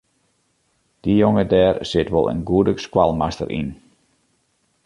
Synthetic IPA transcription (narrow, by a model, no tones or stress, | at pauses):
d̥ijoŋədɛːrsɪtʋɔ̰lˠʔə̰nɡuədəskwalˠmastə̰rʔḭn